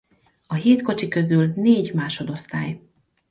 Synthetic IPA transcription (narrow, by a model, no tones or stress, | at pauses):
ɒɦeːt̪ko̞t͡ʃikø̞zylneːɟmaːʃo̞d̪o̞st̪aːj